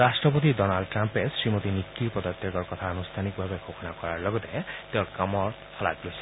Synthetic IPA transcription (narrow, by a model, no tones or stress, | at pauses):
ɾasʈɹɔpot̪idɔnalɖʈɾampesɹimot̪inikːiɾpɔd̪ɔt̪jɔkɔɹkɔt̪ʰaɔnust̪ʰanikbʱabeɡʱoxʰɔnakɔɹaɹlɔɡɔt̪et̪eɾkamɔɹt̪ʰɔla̰klosʰi